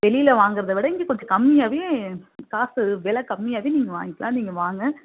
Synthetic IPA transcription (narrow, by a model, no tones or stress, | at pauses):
ʋɛlɪjɪlɐʋaːŋɡɪɾɐðɐʋɪɽɐɪŋɡikɔɳd͡ʒɐkɐmːɪjaːʋeːkaːsɯʋɛlɐkɐmːɪjaːʋeːniːŋɡɐʋa̰ːŋɡɪkːɐlãːniːŋɡɐʋaːŋɡɐ